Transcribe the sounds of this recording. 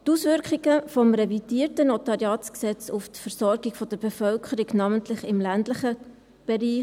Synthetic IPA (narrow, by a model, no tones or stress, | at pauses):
tusʋʏɾkχiɡəfɔmɾɛvid̥iːɾtənotɑɾiɑːsksɛt͡suftfəɾsɔɾɡiɡfɔd̥əɾb̥efœlkʰəɾiɡnɑːməntlɪχɪmlændləχə | b̥eɾiː